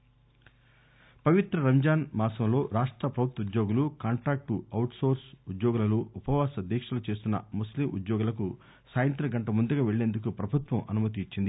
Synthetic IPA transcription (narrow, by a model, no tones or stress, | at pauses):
pɐʋit̪ɾɐɾɐmd͡ʒaːnmaːsɐmlo̞ːɾaːʂʈɾɐpɾɐʋut̪ud̪jo̞ːɡulukaːɳʈɾaːk̚ʈuɐwʈso̞ːɾsud̪joːɡulɐluːpɐʋaːsɐd̪iːkʂɐlut͡ʃe̞ːst̪unːɐ̰muslimʔṵd̪jɔːɡulɐk̬u | saːjɐnt̪ɾɐɡɐɳʈɐmund̪ɐɡaːʋeɭːe̞ːnd̪uk̬upɾɐbʱut̪ʋɐmʔɐnumɐt̪̬iːt͡ʃːind̪i